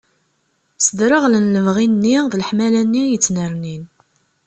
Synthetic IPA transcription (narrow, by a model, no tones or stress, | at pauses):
səd̪ɾəʁlənləvʁinnːiðlħmælænːijət͡sːnəɾnin